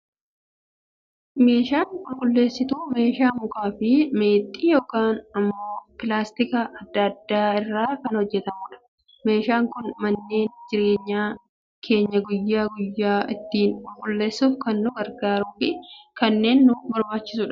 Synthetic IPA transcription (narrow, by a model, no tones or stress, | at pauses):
me̞ːʃaːnkʊlɡʊlːe̞ːsːɪt̪uːme̞ːʃaːmʊkaːfɪme̞ːt̪ʼːiːjo̞ːkaːnɐmːo̞ːpɪlaːst̪ɪkɐʔɐd̪ːɐd̪ːaːɪrːaːkɐnhɔd͡ʒːɛt̪ɐmuːᶑɐ̥ | me̞ːʃaːŋkʊnmɐnːe̞ːnd͡ʒɪɾe̞ːɲːaː | kʰe̞ːɲːɐɡʊjːaːɡʊjːaːɪt̪ːiːnkʊlɡʊlːe̞ːsːuːfkɐnːʊɡɐɾɡaːɾuːfɪkɐnːe̞ːnːʊbɐɾbaːt͡ʃːɪ̥sʊᶑɐ̥